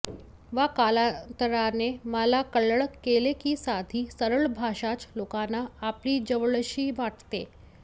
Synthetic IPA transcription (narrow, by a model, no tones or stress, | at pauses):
ʋakalant̪əɾaneməlakəɭəɭəkːelekiːsad̪ʱiːsəɾəɭbʱaɕat͡slokanaːpliːd͡ʑəʋɭɕiːʋaʈt̪ḛ